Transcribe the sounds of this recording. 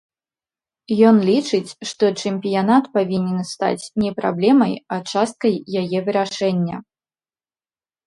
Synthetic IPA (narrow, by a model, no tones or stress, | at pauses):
jɔnlʲit͡ʂɨt͡sʲʂt̪ɔt͡ʂɨmʲpʲijanat̪pavʲinʲɛnst̪a̰t͡sʲnʲɛpɾa̰blʲɛmɐjat͡ʂast̪̚kɐjːajɛvɨɾaʂɛnʲːɐ̰